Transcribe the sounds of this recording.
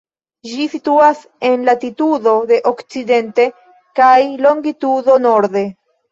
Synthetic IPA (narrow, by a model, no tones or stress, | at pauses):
d͡ʒisituas | e̞nlatitudo̞de̞ʔokt͡side̞nte̞ | kajlo̞ŋɡitudo̞no̞ɾde̞